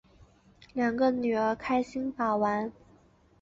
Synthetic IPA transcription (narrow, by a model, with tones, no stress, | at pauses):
ljɑ˨˩ŋɡə˧ny˨˩ə˧˥kʰa˥ɪɕi˥nfa˨˩wa˧˥n